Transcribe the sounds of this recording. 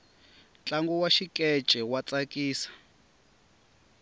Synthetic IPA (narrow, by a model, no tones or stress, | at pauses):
nt͡ɬʼaŋɡuwaʃikʼɛt͡ʃʼɛwat͡sʼakʼiːsḁ